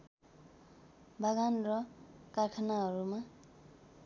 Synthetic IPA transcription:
baɡanrʌkarkʰanaɦʌɾuma

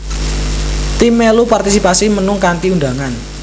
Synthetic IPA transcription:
t̪imelupart̪isipasimənʊŋkant̪iunda̤ŋan

